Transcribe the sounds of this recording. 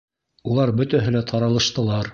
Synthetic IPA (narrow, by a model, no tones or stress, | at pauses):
ulˠɑɾbɵ̆t̪æɦɘ̆læt̪ʰɑɾɑlˠɤ̆ʃt̪ɤ̆lˠɑɾ